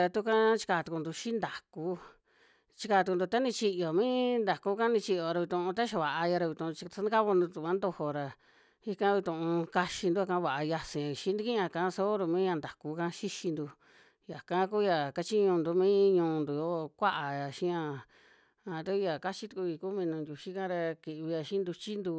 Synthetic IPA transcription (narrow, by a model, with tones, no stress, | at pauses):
a˧t̪u˧˦kã˦t͡ʃi̥˧ka˧˨t̪u˧ku˧nd̪u˧ʃi˦nd̪a˨ku˦ | t͡ʃi˧kaː˧t̪u˧ku˧nd̪u˧t̪a˦nĩ˧t͡ʃi˧jo˨mĩ˦nd̪a˨ku˦kã˦nĩ˧t͡ʃi˧ʔjo˧ɾa˧βi˧t̪ũ˧ʔũ˧t̪̬a˦ʃa˧βa˨ʔa˧ja˧ɾa˧βi˧t̪ũ˧˨˧t͡ʃi˧sa˧˦nã˦ka˦βo˧nd̪u˧t̪u˧kã˦nd̪o˧ho˧ɾa˧ | i˧kã˦βi˧t̪ũ˧˨ʔũ˧ka˧ʃi˧nd̪u˦a˧kã˧˦βa˨a˧ja˧sĩ˨ã˨i˨ʃĩ˦nd̪i˧kĩ˦ã˧˨kã˧˦so˦ɾu˧mĩ˦ɲã˧nd̪a˨ku˧˦kã˧˦ʃi˦ʃi˧nd̪u˧ | ja˨kã˦ku˦ja˧ka˧t͡ʃi˦ɲũ˧nd̪u˧mĩː˦ɲũː˧nd̪u˨jo˦˧kʷa˦ʔa˨ja˨ʃĩ˦ã˧ | a˧t̪a˧ku˦ja˨ka˦t͡ʃi˦t̪u˧ku˧i˧ku˦mĩ˧nũ˧ndʲu˧ʃi˦kã˦ɾa˧ki˨ʔβi˧ja˧ʃĩ˦nd̪u˧t͡ʃi˦nd̪u˧